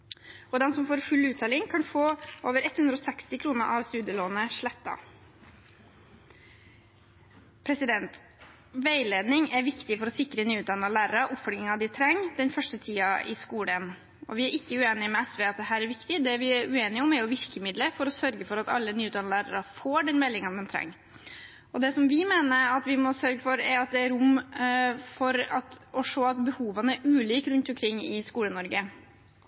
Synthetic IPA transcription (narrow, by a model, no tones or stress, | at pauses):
ɔd̪ɛnsɔmfoːɾfʉlːʉːt̪ʰɑːlɪŋkʰɑnfoːoːʋəɾɛt̪hʉnɾɔsɛkst̪ɪkʰɾuːnəʔɑʋst̪ʉːd̪jəloːnəʂɭɛt̪ːɑ̰ | pʰɾɛsɪd̪ɛnt̪ | ʋæɪleːd̪nɪŋæɾʋɪkt̪ɪfɔɾɔsɪkɾənyːʉːt̪d̪ɑnɑlæːɾəɾəʔʊpfɔɾɡɪŋɑd̪ɪt̪ʰɾɛŋːd̪ɛnfœʂʈət̪ʰiːɑʔɪ̰skuːɽən | ɔ̰ʋɪæɾʔɪkːəʉeːnɪmɛɛsʋɛːɑt̪̚d̪ɛɦæːɾæɾʋɪkt̪ɪd̪ɛʋɪæɾʉeːnɪɔmæɾjʊʋɪɾkəmɪd̪ləfɔɾɔsœɾɡəfɔɾɑt̪ɑ̰lːənyːʉt̪ɑnɑlæːɾə̰ɾɑfoːɖɛnmɛlːɪŋɑnd̪ɛnt̪ʰɾɛ̰ŋː | ɔd̪ɛsɔmʋɪmeːnəɾɑt̪ʋɪmɔsœɾɡəfɔɾɛɾɑt̪̚d̪ɛæɾʊm | fɔɾɑt̪ɔʂoːɑt̪bəhuːʋɑnəæʔʉːliːkɾʉnt̪ʊmkʰɾɪŋːɪskuːlənɔɾɡə